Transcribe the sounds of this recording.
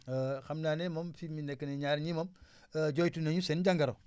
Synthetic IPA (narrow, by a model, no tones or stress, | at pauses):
xamnanemomfiminekːəneɲaɾɲimom | d͡ʒojtunaɲusend͡ʒaŋɡaɾo